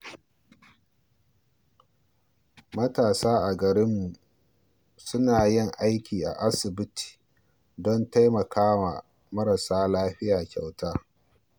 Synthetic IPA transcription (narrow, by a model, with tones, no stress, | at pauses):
mɐ˦taː˨saː˦ʔa˨ɡɐ˨ɾɪ˦mːu˨ | sʊ˦naː˨jɪ˦˨ŋʔa˦jkʲiː˨ʔa̰˨ʔa˦sɪ˨bɪ˦tʰi̥ː˨ | dɔ˦nta˦jmɐ˨kʰaː˦wa̰ː˨ | mɐ˦ɾɐ˨saː˦laː˦ɸɪ˦jaː˨kʲa̰˨wtaː˦